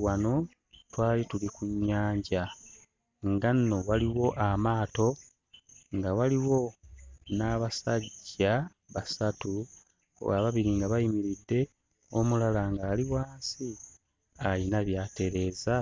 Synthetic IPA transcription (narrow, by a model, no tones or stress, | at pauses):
wano̞ | twaːlitulikuɲːaːɲɟa | ŋɡanːo̞waliwo̞ʔamaːto̞ | ŋɡawaliwo̞naβasaɟːa | βasatṵ | aβaβiɾiŋɡaβajimiɾidːe̞ | o̞mulalaŋɡaːliwaːnsi | alinaβjaːte̞ɾe̞ːza